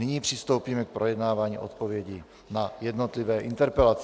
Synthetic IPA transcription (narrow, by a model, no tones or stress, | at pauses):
nɪɲiːpr̝̥ɪst̪o̞wpiːmɛk̚pɾojɛdnaːvaːɲḭːʔot̪po̞vjɛɟi | najɛdnot̪lɪvɛːʔɪnt̪ɛɾpɛlat͡s